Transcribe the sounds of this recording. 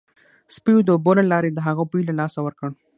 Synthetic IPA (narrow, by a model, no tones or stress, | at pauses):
spijod̪əbolalɑɾed̪əɦaɣabijlalɑsawəɾkəɳ